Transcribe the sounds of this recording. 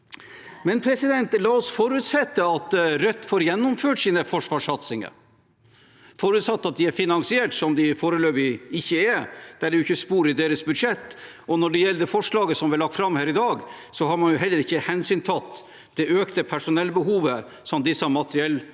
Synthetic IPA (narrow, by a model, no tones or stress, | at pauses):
mɛnpʰɾɛsɪd̪ɛnt̪lɑːɔsfɔɾʉːt̪sɛt̪ːəɑt̪ɾœt̪ːfoːɾjɛnːʊmføːʈsiːnəfɔʂʋɑːʂɑt̪sɪŋə̰ɾ | fɔɾʉt̪sɑt̪ːɑt̪̚d̪ɪæɾfɪnɑŋsɪeːʈsɔmd̪ɪfoːɾəløːbɪɪçːəɛd̪̥æɖɛjʊʏçːəspuːɾɪd̪eːɾəsbʉd̪ʂɛt̪ː | ɔnɔɖɛjɛlːəd̪ɛfɔʂlɑːɡəsɔmʋɛlɑkt̪fɾɑmːhæːɾɪd̪ɑːɡ | sɔɦɑɾmɑnjʊɦɛlːəɾɪçːəhɛnsyːnt̪ʰɑt̪ː | d̪̥ɛʔøːkt̪əpʰæʂʊnɛlːbəɦuːʋə | sɔmd̪ɪsːɑmɑt̪əɾɪɛlː